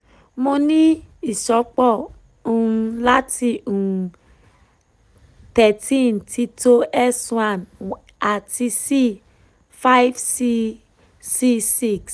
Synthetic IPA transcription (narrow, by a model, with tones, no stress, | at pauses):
mo˧nĩ˦i˦˨ʃɔ˨˦k͡pɔ˦˨ | ũ˨˧la˦ti˧ũ˨ | tɛ˨tĩ˦˨n˨ti˧to˦ɛ˦swã˨n | a˨ti˧si˦ | fa˦i˦fsi˧ | si˦si˦˨ks